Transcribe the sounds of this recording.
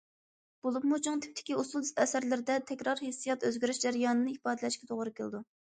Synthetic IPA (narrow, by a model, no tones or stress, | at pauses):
b̥olˠupmut͡ʃʰuŋt̪ʰɪ̥p̚t̪ʰɪ̥kʲiusulˠɛsæɾlɪɾɪd̪ɛt̪ʰɛkʲɾɑɾhesːijɛt̪øzɡʲɾyʃd͡ʒæɾjɑːnɨnɨipɑːd̪ɨlɛʃkʲɛt̪ʰoʁɾɨkʲʰeld̪u